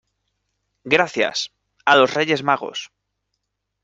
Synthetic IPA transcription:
ɡɾaθja̰s | alo̞sre̞ʝe̞zmaɣ̞o̞̰s

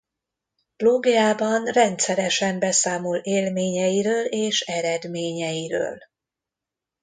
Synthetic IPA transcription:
loːɡijaːbɒnrɛnt̪sɛɾɛʃɛmbɛsaːmoleːlmeːɲɛjiɾøːleːʃɛɾɛd̪meːɲɛjiɾø̰ːl

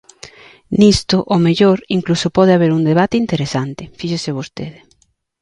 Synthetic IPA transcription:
nist̪oʔomeʎoɾiŋklusopɔðeaβ̞eɾund̪eβ̞at̪ɪint̪eɾesant̪ɪfiʃeseβost̪eðe

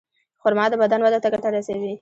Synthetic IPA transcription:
xʊɾmɑd̪əbad̪anwad̪at̪aɡat̪aɾasawi

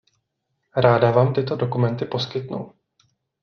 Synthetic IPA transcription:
ɾaːdavaːmt̪ɪt̪o̞dokumɛnt̪ɪpo̞skɪt̪nṵw

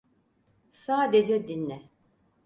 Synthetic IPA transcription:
saːd̪ed͡ʒɛd̪inːɛ

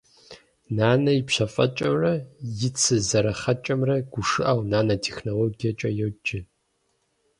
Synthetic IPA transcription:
naːnɐjipɕɐfʼɐ̰t͡ʃʼɐmrɐjɪt͡sʰɨzɐɾɐχɐt͡ʃʼɐmrɐɡ̥ʷʊʂɨʔɐwnaːnɐtʰeːxnoloːɡijɐt͡ʃʼɐjɛwd͡ʒɪ

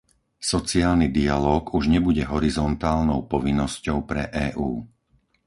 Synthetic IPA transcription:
sɔt͡siaːlnid̪ialɔːɡuʒɲɛbuɟɛɦɔɾizɔnt̪aːlnɔʊpɔʋinːɔscɔʊpɾɛʔɛːʔuː

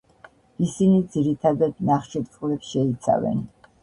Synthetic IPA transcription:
isinid̪ziɾit̪ʰad̪ad̪naχʃiɾt̪ʼulɛpsʃɛit̪sʰa̰vɛ̰n

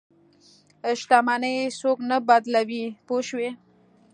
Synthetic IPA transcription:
ʃt̪amanəjsoknabad̪lawipoʃwe

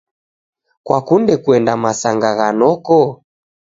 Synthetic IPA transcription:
kwakundɛkuɛndamasaŋɡaɣanɔkɔ

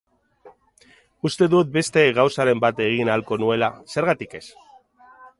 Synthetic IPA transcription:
ust̪e̞ðut̪̚be̞st̪e̞ɣawsaɾe̞mbat̪e̞ɣ̞inalko̞nue̞lase̞ɾɣat̪ike̞s

